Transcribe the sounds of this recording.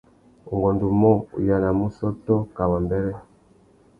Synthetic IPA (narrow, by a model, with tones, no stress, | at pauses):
u˨ŋɡɔ˨ndu˨mɔ˦˨ṵ˨ja˨na˨mu˦sɔ˦tɔ˦ka˨wa˨mbɛ˦ɾɛ˦